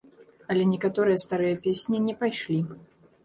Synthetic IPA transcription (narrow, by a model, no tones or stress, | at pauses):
ɐlʲɛnʲɛkat̪ɔɾɨjɐst̪aɾɨjɐpʲesʲnʲinʲɛpajʂlʲi